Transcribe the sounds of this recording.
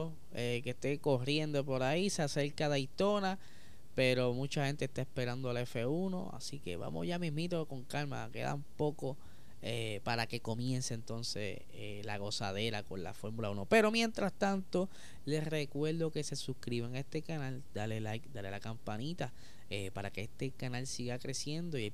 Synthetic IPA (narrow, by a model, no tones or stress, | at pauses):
o | eke̞st̪e̞ko̞rɾje̞nd̪op̬o̞ɾaisase̞ɾkaðeit̪o̞na | pe̞ɾo̞mũt͡ʃahe̞nt̪est̪aespe̞ɾand̪oale̞fe̞uno̞̰a̰sike̞̰βa̰mʔo̰ʝamiɦmit̪o̞ko̞ŋkalma̰ke̞̰ða̰umpo̞ko̞ | epaɾake̞ko̞mje̞nseːnt̪o̞nse̞̰ | elaɣo̞saðe̞ɾako̞nla̰fo̞ɾmulauno̞pe̞ɾo̞mje̞nt̪ɾast̪ant̪o̞ | le̞sre̞kwe̞ɾðo̞ke̞se̞suhkɾiβeŋae̞st̪e̞kanald̪alelad̪ale̞lakampanit̪a | epaɾake̞est̪e̞kanalsiɣakɾe̞sje̞nd̪oi